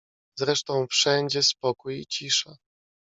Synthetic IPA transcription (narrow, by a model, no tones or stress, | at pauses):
zɾɛʂt̪ɔ̃w̃fʂɛɲd͡ʑɛspɔkujḭt͡ɕiʂɛ